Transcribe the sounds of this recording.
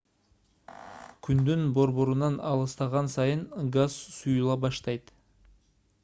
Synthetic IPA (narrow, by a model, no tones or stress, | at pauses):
kʲʰynd̪ynbo̞ɾβo̞ɾunɑnɑlˠɯst̪ɑʁɑnsɑjɯɴɡazsujulˠɑbɑʃt̪ɑjt̪